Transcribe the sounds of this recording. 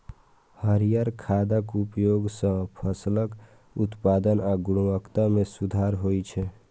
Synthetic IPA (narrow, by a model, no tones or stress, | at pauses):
həɾijaɾkʰad̪əkupjoɡsə̃pʰəslək | ut̪paːd̪ənaɡʊɽ̃uəkt̪amẽsud̪ʱaɾɦoit͡ʃʰɛ